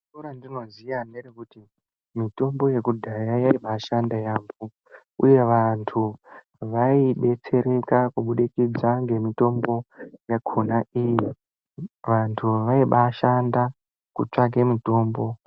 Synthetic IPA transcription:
oɾandino̞zijanerekuti | mito̞mbo̞je̞kudʱajajaiɓaʃandajaːmbu | ṵje̞ʋantʰu | ʋaiɓe̞t͡se̞ɾe̞kakuɓuɗikid͡zaŋɡe̞mito̞mbo̞jakʰonaiji | ʋantʰuʋaiɓaʃanda | kut͡ʂak̬emito̞ːmbo̞

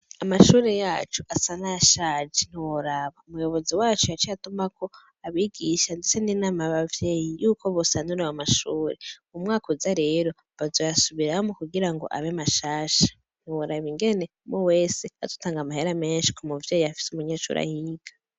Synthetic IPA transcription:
amaʃuːɾe̞jaːt͡ʃuʔasanaʃaːd͡ʒin̥iwoɾaβaumujo̞βo̞ziwaːt͡ʃujat͡ʃjatumako̞ | aβiːɡiʃandet͡se̞ninaːmaβavje̞ːjijuːkʰo̞βosanuɾewamaʃuːɾeumŋaːkuzaɾe̞ːɾo̞ | βazo̞jasuβiɾamukuɡiɾaŋɡo̰ʔa̰βemaʃaːʃḁ | n̥iwoɾaβiŋɡe̞ne | mowe̞ːsea̰zotaːŋɡamaheɾame̞ːnʃi̥kʰomuvjeːjiafi̥sumuɲeːʃṵːɾa̰hiːɡ̥ḁ

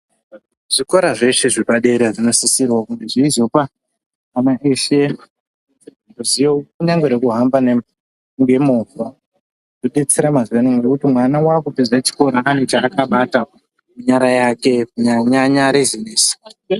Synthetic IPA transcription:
ʐ̥ikoɾaʐe̞ʃe̞ʐepaɗe̞ɾeʐino̞sisirwakuŋɡe̞ʐiizo̞paː | naʔeʃe̞ | ndozijokuɲaŋɡweɾekuɦambane | ŋɡe̞mova | doɗe̞t͡seɾamazienoŋɡekutimwanawakupizat͡ʃi̥ko̞ɾaːnet͡ʃaːkaɓata | muɲaɾajake̞muɲaɲaɲaɾezineːsi̥

